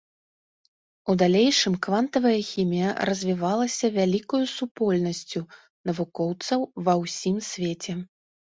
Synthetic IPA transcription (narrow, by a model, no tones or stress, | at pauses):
ud̪alʲejʂɨmkvant̪ɐvɐjɐxʲimʲijɐ̰rɐzʲvʲivalˠɐsʲɐvʲalʲikɐjusupɔlʲnɐsʲt͡sʲu | nɐvukɔwt̪sɐwvɐwsʲimsʲvʲet͡sʲɛ